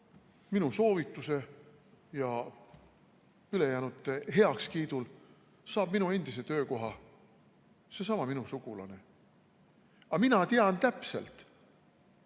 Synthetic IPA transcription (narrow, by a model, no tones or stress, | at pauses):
minuso̞ːvit̪ːˑuse̞ | jɑ | yle̞jæːnut̪ːˑeɦe̞ɑkskiːd̪̥ul | sɑːb̥̚minue̞nd̪̥is̬e̞t̪ø̞ːko̞ɦɑ | se̞sɑmɑminusuɡ̥ulɑ̰ne̞ | ɑminɑt̪eɑnt̪æpse̞̰lt̪ˑ